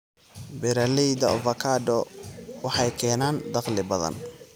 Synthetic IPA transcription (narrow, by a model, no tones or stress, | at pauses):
bɪɾɐlijd̪ɐɔvɐkʰaːɖɔwɑħɑjkʰɛːnaːnd̪ɑqlɪbɐðɐ̰n